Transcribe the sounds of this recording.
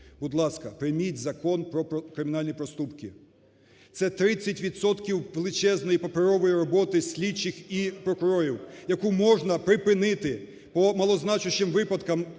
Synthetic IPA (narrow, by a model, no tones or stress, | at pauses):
bʊd̪lˠɑskɐpɾɪmʲitʲzɐkɔnpɾɔɔkɾɪmʲɪnɑlʲnʲipɾɔst̪upkɪ | t̪sɛt̪ɾɪt͡sʲːɐtʲʋʲid̪sɔt̪kʲiwʋelˠɪt͡ʃɛznɔjipɔpeɾɔʋɔjiɾɔbɔt̪ɪsʲlʲit͡ʃːɪxipɾɔkʊɾɔɾʲiwjɐkumɔʒnɐpɾɪpɪnɪt̪ɪ | pɔmɐlˠɔznɑt͡ʃʊʃɪmʋɪpɐd̪kɐm